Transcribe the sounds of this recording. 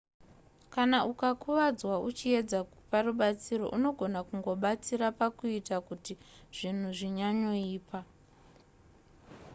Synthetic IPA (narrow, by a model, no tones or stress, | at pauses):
kanaʔukakuʋad͡zwaut͡ʃie̞d͡za | paɾuɓat͡siɾo̞̰ʔuno̞ɡʱo̞nakuŋɡo̞ɓat͡siɾapakuitakutiʐ̥in̤uʐiɲaɲo̞iːpa